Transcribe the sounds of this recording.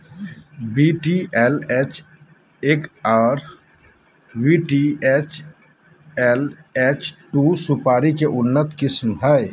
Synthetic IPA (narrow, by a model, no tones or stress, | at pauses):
biːʈiʔɛlɛt͡ʃʰ | eːkaːɾ | wiːʈiɛt͡ʃʰ | ɛlɛːt͡ʃʈusʊpaːɾikeʔʊnːət̪kɪsmɦɛ